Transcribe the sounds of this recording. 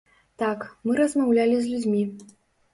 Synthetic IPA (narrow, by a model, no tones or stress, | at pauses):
t̪akmɨɾɐzmawlʲalʲizʲlʲud͡zʲmʲi